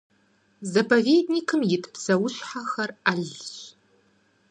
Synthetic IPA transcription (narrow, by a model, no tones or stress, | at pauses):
zɐpʰɐveːdnikʰɨmjɪtʰɨ̥psɐwʊɕħaxɐraɮɕ